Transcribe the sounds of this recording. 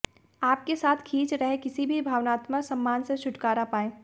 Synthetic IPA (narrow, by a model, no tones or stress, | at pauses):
aːp̚kesaːt̪ʰkʰiːt͡ʃɾɐɦekɪsibʱibʱaːʋnaːt̪məsɐ̃mːaːnset͡ʃʰʊʈkaːɾapaːẽː